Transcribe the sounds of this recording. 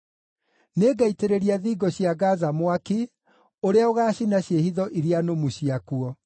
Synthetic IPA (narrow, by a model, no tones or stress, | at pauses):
neːɡaiteɾeɾiaðiɡɔɕiaɡazamwaki | oɾeaoɣaːɕinaɕjehiðɔʔiɾianomuɕiakuɔ